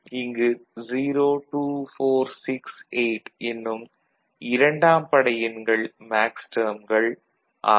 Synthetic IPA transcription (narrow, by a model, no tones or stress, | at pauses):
ɪŋɡɯziːɾoːʈuːfoːɾsɪkseɪʈɛnːɯm | ɪɾɐɳɖaːmpɐɽɐjɪnɡɐɭmaːksʈɐːmɡɐɭ | ʔa̰ː